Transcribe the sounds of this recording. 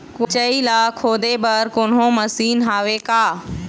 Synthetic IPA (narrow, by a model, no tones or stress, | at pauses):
kt͡ʃɐilaːkʰːoːd̪ebɐɾkoːnɦõmɐsiːnɦaːʋekaː